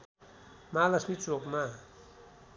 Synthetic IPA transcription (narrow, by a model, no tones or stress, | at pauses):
malʌsmit͡sokma